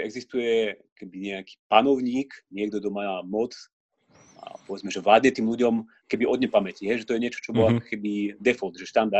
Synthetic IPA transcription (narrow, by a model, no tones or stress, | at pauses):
ʔɛɡzist̪ujɛ | kɛbiɲɛaki̥ːpanɔʊɲiːkɲɪɛɡd̪ɔd̪ɔmamɔt͡s | a̰pɔʋɛd͡zmɛʒɛʋlaːd̪ɲɛt̪iːmluɟɔm | kɛbiɔd̪ɲɛpamɛciɦɛjʒɛt̪ɔjɛɲɪɛt͡ʃɔ̥t͡ʃɔbɔlakɔkɛbid̪ɛfɔlt̪ʒɛʃt̪and̪a